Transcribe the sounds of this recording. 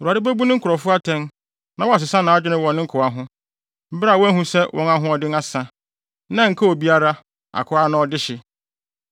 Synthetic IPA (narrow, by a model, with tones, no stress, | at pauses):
u˨a˨dɪ˦bæ˦bu˦nɪ̃˦ŋ̩˦kʰʊ˨ɾɔ˨fʊ˦a˦tʰɛ̃˦n | nã˦wɔ˦a˨s̬ɪ˨sa˦nã˨a˦d͡ʑᶣɪ˦nɪ̃˦wɔ̃˨nːɪ̃˦ŋ̩˦kʰʊ˨a˦ɦʊ̃˦ | m̩˦bɪ˦ɾa˦˨wɔ˦æ˦ɦũ˦sɛ˦wʔɔ̃˦ŋna˦ɦʊ̃˦ɔ˨dɪ˦na˦sã˨ | nã˦ŋ̩˨kʰa˦o˨bi˦a˦ɾa˦ | a̰˨kʰʊ˨˦a˦nã˦ɔ˦dɪ˦ɕɪ˨